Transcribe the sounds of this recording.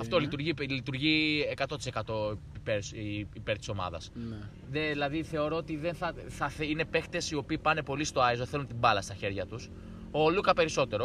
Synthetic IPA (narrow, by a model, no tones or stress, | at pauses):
ɐft̪o̞lit̪uɾʝilit̪uɾʝiekɐt̪o̞t̪isekɐt̪o̞peɾsipe̞ɾt̪i̥so̞mɐ̰ðɐ̰sn | neðilɐðiθe̞o̞ɾo̞ot̪iðenθɐθɐθine̞pe̞xt̪esio̞piːpɐne̞po̞list̪oɐezoθe̞lunt̪imbɐlɐst̪ɐçe̞ɾʝɐt̪us | olukɐpe̞ɾiso̞t̪e̞ɾo̞